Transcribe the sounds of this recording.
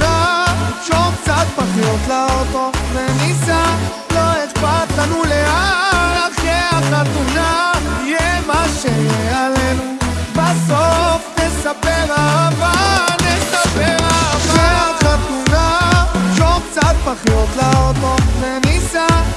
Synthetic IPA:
aʃok̚t͡sat̪̚paχiot̪laot̪ovenisa | loetpat̪lanuleaaχeaχat̪unajɛmaʃejealenubasofnesapɛʁaavanesapeʁaavaaχat̪unat͡ʃokt͡sat̪̚paχijot̪laot̪oenisa

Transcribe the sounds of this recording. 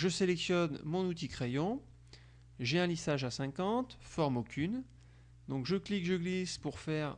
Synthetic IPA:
ʒəselɛksjɔnmɔ̃nut̪ikχejɔ̃ | ʒeɛ̃lisaʒasɛ̃kɑ̃t̪fɔʁmokʲyn | d̪ɔ̃kʒəklikʒəɡlispuʁfɛːʁ

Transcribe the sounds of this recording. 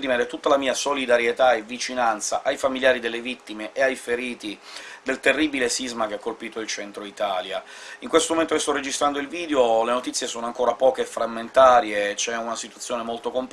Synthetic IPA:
d̪imɛːɾet̪ut̪ːalamiːasolid̪aɾjet̪aevit͡ʃinant̪sa̰ʔajfamiljaːɾid̪elːevit̪ːimeʔeajfeɾiːt̪id̪elt̪erːibilesizmak̟eakːolpiːt̪oilt͡ʃɛnt̪ɾoit̪aːljaiŋkwest̪omoment̪ojst̪ɔrːed͡ʒist̪ɾand̪oilviːd̪eolenot̪it̪sːjesoːnoaŋkoːɾapɔːkefɾamːent̪aːɾjet͡ʃɛunasit̪wat̪sːjoːnemolt̪okomp

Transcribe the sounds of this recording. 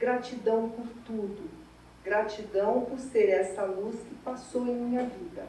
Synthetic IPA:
ɡɾat͡ʃid̪ɐ̃w̃pʊɾt̪ud̪ʊ | ɡɾat͡ʃid̪ɐ̃w̃pʊɾseɾɛsɐluskɪpasowẽj̃mĩɲɐvid̪ɐ

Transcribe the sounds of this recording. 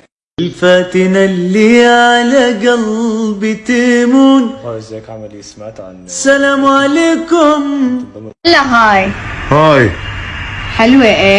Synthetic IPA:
ɪlfaːt̪ɪnalːiʕalaɡalbɪt̪iːmuːnzaksmaʕt̪a | salaːmʕaleːkʊm | laɦaːjhaːj | ħalweʔe

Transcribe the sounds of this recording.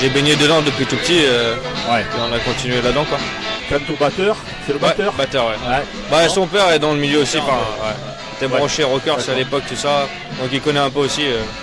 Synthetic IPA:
ʒebeɲed̪əd̪ɑ̃d̪əpɥit̪upət̪iøwɛeɔ̃nakɔ̃t̪inɥelad̪ɑ̃kwakamt̪õbat̪œʁ | selowɛt̪ːʁbat̪œʁwɛɛ | basɔ̃pɛʁɛd̪ɑ̃ləmiljøosĩfɛ̃wɛ | set̪ɛbʁʁɑ̃ʃeʁɔkʲœʁsalepɔk̚t̪usa | d̪ɔ̃kilkɔnɛɛ̃pøosiø

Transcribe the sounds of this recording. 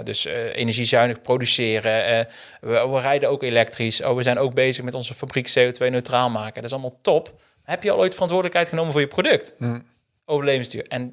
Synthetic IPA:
dɵsḛjnɛɹʒizœɥnəxprowdysɪːrə | əʋərɛjdəowkelɛk̚triso̰ʋəzɛjnowɡ̚bejzəxmɛtɔnzəfabriksejotʋejnøɥtraːlˠmaːkədɑtɪs̬ɑlˠmalˠtɔp | aɦɛpjəɑ̰lˠojtəfərɑntʋʊːɹdələkɦɛjtχənowməvʊːɹjəprodɵkt | owvəɹlejvənstyːɹɛn

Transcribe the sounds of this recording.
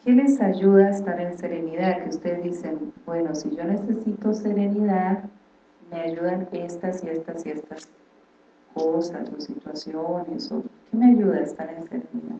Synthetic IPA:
kʰe̞le̞saʝuðaest̪aɾe̞nse̞ɾe̞niðaðke̞ust̪eðzd̪ise̞nbwe̞no̞siʝo̞ne̞se̞sit̪o̞se̞ɾe̞niðað | me̞aʝuðane̞st̪asie̞st̪asiest̪as | kʰosa̰sosit̪wasjone̞so̰ke̞me̞aʝuðaest̪aɾe̞nse̞ɾḛniða̰ð

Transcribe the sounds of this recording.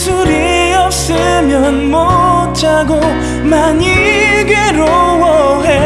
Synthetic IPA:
sʰuɾi | ʌp̚s͈ɯmjʌnmot͡ɕaɡo | maɲiɡeɾowʌɦe

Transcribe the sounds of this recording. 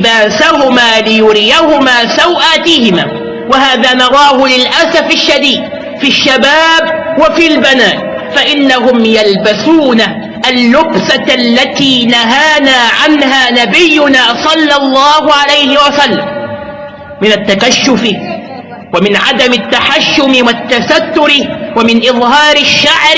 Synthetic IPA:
baːsahʊmaːlɪjʊɾɪjahʊmaːsawʔaːt̪ɪhɪmaː | wahaːðaːnɑɾˤɑːhʊlɪlʔasafaʃːad̪iːd̪̚ | fiʃːabaːbwafiːlbanaːn | faʔɪnːaɦʊmjalbasuːna | ʔalːʊbsalːat̪iːnaɦaːnaːʕanɦaːnabɪjːʊnaːsˤɑlːɑlˤːɑːhʊʕalajhɪwasalːam | mɪnat̪ːakaʃːʊfɪ | wamɪnʕa̰d̪amɪt̪ːaħaʃːʊmɪwat̪ːasat̪ːʊɾwamɪnʔɪðˤhɑːɾɪʃːaʕɾ

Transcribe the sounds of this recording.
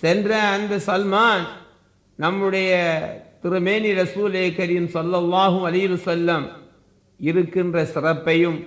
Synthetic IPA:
sɛndrɐːnd̪ɐsɐlmaːn | nɐmːɯɽɐjɐt̪ɪɾɯmeːniɾɐsuːleɐkːɐɾiːmsɐlːɐlˠːaːɦɯɐlɐɪɪʋɐsɐlːɐm | ɪɾɯkːɪndrɐsɪrɐpːɐjɯm

